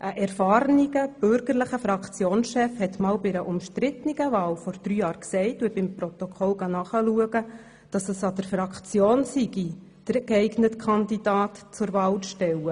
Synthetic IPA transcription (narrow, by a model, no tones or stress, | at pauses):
ʔəʔɛɾfɑːɾniɡəb̥ʏɾɡəɾləχəfɾɑkt͡sjoːnsʃɛfhɛtmɑːlbɪɾəʔʊmʃtɾɪt̪niɡəvɑːlfɔɾd̥ɾyːjɑːɾksɛɪtuəbɪmprɔt̪ɔkʰɔlɡ̥ɑnɑːχəluəɡə | d̥ɑsəsɑd̥əfrɑkt͡sjoːnsiɡi | d̥əɾkɛɪɡnətkʰɑndidɑːtt͡sʊɾvɑːlt͡sʃtɛwə